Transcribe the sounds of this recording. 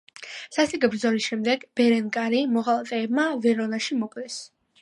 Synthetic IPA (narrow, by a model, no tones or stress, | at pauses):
sast̪ʼiɡʼɛbɾd̪zɔlisʃɛmd̪ɛɡb̥ɛɾɛnkʼaɾimɔʁalˠat̪ʼɛːbmavɛɾɔnaʃimɔkʼlɛs